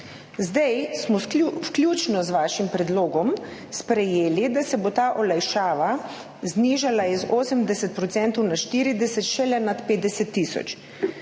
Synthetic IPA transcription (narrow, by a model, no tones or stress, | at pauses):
zd̪ajsmɔsklʲjuːt͡ʃnɔzʋaːʃimpɾɛd̪loːɡɔmspɾɛjeːlid̪asɛbot̪aːʔɔlajʃaːʋa | zniːʒalaizoːsəmd̪ɛsɛt̪̚pɾɔt̪sɛnt̪ɔwnaʃt̪iɾid̪ɛsɛt̪ʃɛlɛnat̪peːd̪d̪ɛsɛt̪ːisɔ̰t͡ʃ